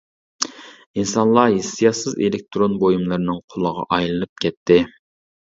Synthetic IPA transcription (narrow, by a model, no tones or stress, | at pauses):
insɑnlˠɑɦesːijɑsɨzelɪk̚ʲt̪ʰɾonbojumlˠɨɾɨnɨŋqʰolˠəʁɑ̰ʔɑjlˠɨnɨp̚kʲʰɛt̪ʰːɪ